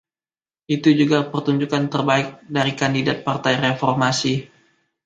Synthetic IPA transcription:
ʔit̪ud͡ʒuɡapərt̪uɲd͡ʒukant̪ərbaɪk̚daɾikandidat̪̚part̪ajrefɔrmasi

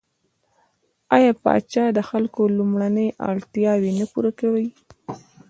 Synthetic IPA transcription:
ɑjɑpɑ̰t͡ʃɑd̪əxalkolumɽanəjʔɑ̰ɽt̪jɑwenəpuɾakawəj

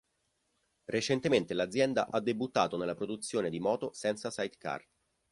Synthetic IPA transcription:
ret͡ʃent̪ement̪elad̪zːjɛnd̪a̰ʔad̪ːebut̪ːaːt̪onelːapɾod̪ut̪sːjoːned̪imɔːt̪osɛnt̪sasajt̪ka̰rt̪

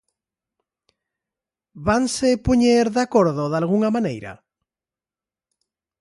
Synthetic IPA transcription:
βansepuɲeɾðakoɾðoðalɣ̞uŋamãnejɾa̰

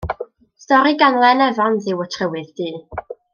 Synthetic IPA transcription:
stɔɾiɡanlˠɛnɛvɔnðɪwətʰrəwɨðd̥iː

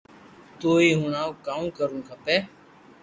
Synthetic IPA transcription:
t̪oːiːɦʊɳãːkaːmũːkəɾʊnkʰəpeː

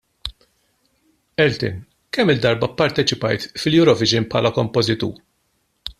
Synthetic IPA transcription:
ɛlt̪ɪ̰n | kɛmːɪd̪ːɐɾbɐpɐɾt̪ɛt͡ʃɪpɐjt̪fɪljʊɾɔvɪd͡ʒɪnpħɐ̰ːlɐkɔmpɔzɪt̪ṵːɾ

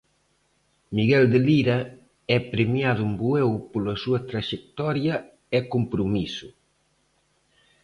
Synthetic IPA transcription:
miɣɛld̪eliɾɐ | ɛpɾemjaðumbuɛwpolɐsuɐt̪ɾaʃek̚t̪ɔɾjɐ | ɛkompɾumisʊ

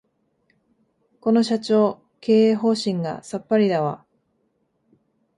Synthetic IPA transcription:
ko̞no̞ɕat͡ɕo̞ː | ke̞ːeːɦo̞ːɕĩŋɡa̰sapːaɾʲid̪aβa

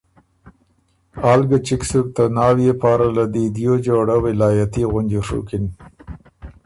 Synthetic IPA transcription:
ɑlɡat͡ʃɪksuk̚t̪ənɑːwjepɑɾalad̪id̪jod͡ʒoɽawɪlɑːjat̪iɣʊnd͡ʒuʂṵkɪn

